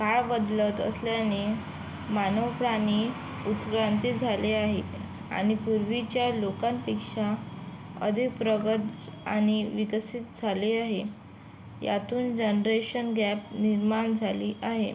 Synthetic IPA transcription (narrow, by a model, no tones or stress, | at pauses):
kaɭbəd̪lət̪ə̰sljane | manəwpɾani | ut̪kɾant̪id͡zʱaleaɦe | a̰ɽ̃ipuɾʋit͡ɕjalokãmpikʂa | ə̰d̪ʱik̚pɾəɡət̪d͡za̰ɽ̃iʋikəsit̪̚d͡zʱaleaɦe | ja̰t̪uːnd͡ʑənɾeɕənɡæp̚niɾmaɳd͡zʱaliːʔaɦḛ